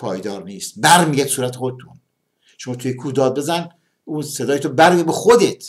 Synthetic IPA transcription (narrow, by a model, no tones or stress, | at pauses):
pʰɒːjd̪ɒːɾniːst̪bæɾmiːɡæt̪suːɾæt̪ʰexod̪et̪ʰun | ʃomɒːt̪ʰujekʰuːd̪ɒːd̪̚be̞zæn | unsed̪ɒːjet̪obæɾmijæd̪̚bexod̪et̪ʰ